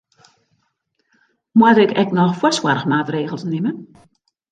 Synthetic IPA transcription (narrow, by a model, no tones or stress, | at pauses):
mwadɪkɛknɔxfwɔswarxmaːtreːɣəlˠsnɪmən